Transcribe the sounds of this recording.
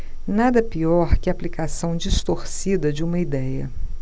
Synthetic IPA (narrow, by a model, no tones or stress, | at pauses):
nad̪ɐpiɔɾkɪɐaːplikasɐ̃w̃d͡ʒist̪oɾsid̪ɐd͡ʒɪũmɐid̪ɛjɐ̰